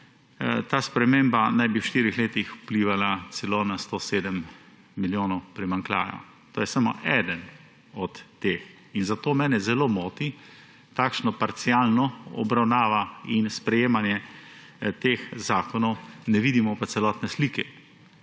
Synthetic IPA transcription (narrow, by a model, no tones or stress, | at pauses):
t̪aːspɾɛmembanajbiwʃt̪iːɾixleːt̪ixu̥pliːʋalat̪t͡ssɛlonast̪oːseːd̪əm | miljoːnɔwpɾimaŋkla̰ːja̰ | t̪oːjɛsamo̰ʔɛd̪ən | ɔt̪ːeːx | inzat̪oːmɛːnɛzɛloːmoːt̪i | t̪aːkʃnɔpaɾt̪siaːlnɔɔ̰bɾawnaːʋainspɾɛjeːmanjɛ | t̪eːxzaːkɔnɔwnɛʋiːd̪imɔpat̪sɛlɔːt̪nɛsliːkɛ